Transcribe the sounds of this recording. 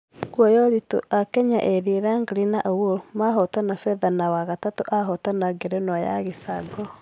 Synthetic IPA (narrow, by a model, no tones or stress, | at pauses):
kwɔjɔɾito̰ʔakɛɲaʔeðiɾaŋɡɾinaʔowomaɦɔtanafɛðanawaɣatatoʔaɦɔtanaɡeɾɛnɔja̰ɣisaɡɔ